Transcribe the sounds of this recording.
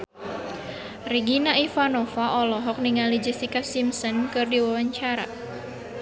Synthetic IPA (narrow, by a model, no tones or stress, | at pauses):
riɡinaifanɔfaʔɔlɔɦɔk̚niŋalid͡ʒist̪ikasimsɔnkɨrdiwawaɲt͡ʃaɾa̰